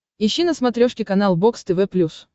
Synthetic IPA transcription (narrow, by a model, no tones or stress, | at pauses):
ɪɕːinəsmɐt̪ɾʲoʂkʲɪkɐnalˠbokst̪əvɛplʲus